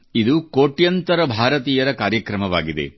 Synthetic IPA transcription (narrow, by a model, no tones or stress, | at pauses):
id̪ukoːʈjɐnt̪ɐɾɐbʱaːɾɐt̪̬iːjɐɾɐkaːɾjɐkɾɐmɐʋaːɡid̪e̞̰